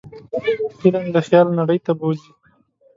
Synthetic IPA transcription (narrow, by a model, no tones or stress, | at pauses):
hɪland̪əxjɑlnaɽəjt̪abozi